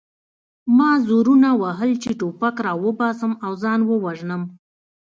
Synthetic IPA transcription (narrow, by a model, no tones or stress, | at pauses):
mɑzoɾunawaɦəlt͡ʃeʈopakɾɑwəbɑsəmawzɑnwəwaʒnəm